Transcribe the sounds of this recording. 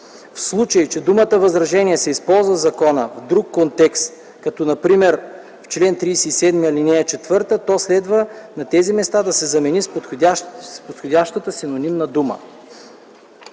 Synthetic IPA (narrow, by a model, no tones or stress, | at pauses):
fslˠut͡ʃəit͡ʃɛd̪umət̪əvɐzɾɐʒɛnʲiɛsɛispɔlˠzvɐzɐkɔnəvd̪ɾukːont̪ɛkst̪̚ | kɐt̪ɔnɐpɾimɛɾ | ft͡ʃlɛnt̪ɾiːsɛisɛd̪miəlinɛɛt͡ʃɛt̪vɤɾt̪ət̪ɔslɛd̪vənɐt̪ɛzimɛst̪ad̪ɐsɛzɐmɛnispʲaspot̪xodʲaʃt̪ət̪əsinonimnɐd̪umə̰